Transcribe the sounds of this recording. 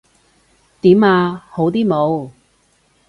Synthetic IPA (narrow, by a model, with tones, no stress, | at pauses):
t̪iː˨˥maː˧ho˨˥wt̪iː˥mo˨˧w